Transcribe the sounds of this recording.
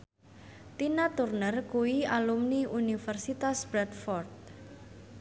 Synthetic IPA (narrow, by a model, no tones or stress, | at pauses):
t̪inat̪urnərkuwialumniʔunifɛrsit̪asb̥ɾɛt̪fɔrt̪̚